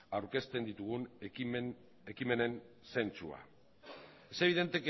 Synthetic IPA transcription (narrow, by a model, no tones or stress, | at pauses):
awɾke̞st̪e̞nd̪it̪uɣ̞unn | e̞kime̞ne̞n | se̞nt͡sua̰ | ese̞β̞iðe̞nt̪e̞k